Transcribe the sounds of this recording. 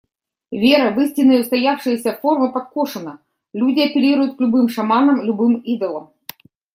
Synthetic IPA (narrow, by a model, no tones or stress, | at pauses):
vʲeɾɐvɨsʲt̪ʲɪnːəjʊst̪ɐjafʂɨjɪsʲɐffo̞rmɨpɐt̪̚koʂɨnə | lʲudʲɪɐpʲɪɾʲiɾʊjʊt̪klʲʊbɨmʂɐmanəmlʲʊbɨmid̪əlˠəm